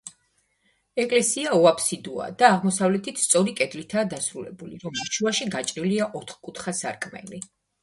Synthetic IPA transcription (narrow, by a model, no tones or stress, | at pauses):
ɛkʼlɛsiaɔapʰsid̪ua̰d̪̥aːʁmɔsavlɛt̪ʰit̪ʰst̪sʼɔɾikʼɛd̪lit̪ʰaːd̪asɾulɛ̰buliɾɔmiʃuaʃiɡat͡ʃʼɾiliaʔɔt̪ʰχkʼut̪ʰχasa̰ɾkʼmɛ̰li